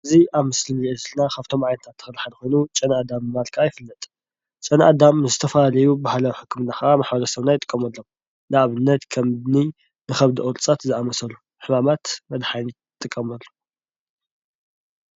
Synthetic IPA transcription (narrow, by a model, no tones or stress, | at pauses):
ʔʔɨziʔaβmɨslɨniʔɐzɨlnakʰaβt̪ʰo̞mʕajnɐt̪ʰat̪ʰːɨ̥xɨlħanɨxo̞jnut͡ʃʼɐnad̪amɨmalkʰaajɪfɨlːɐt̪ʼ | t͡ʃʼɐnʔad̪amzɨt̪ʰɐfɐlalɐjubahalawħɨkʰːɨmɨnaxɐʔamaħbɐlɐsɐβnajɪt̪ʼɨ̥kʼːɐmɐlːom | nɨaβɨnːɐt̪kʰɐmdni | nɨxɐβd̪iʔoɾʼt͡sʼat̪zɨʔamɐsɐlu | ħɨmamat̪mɐd̪ħajni | t̪ʼːɨkʼːɐmɐlːu̥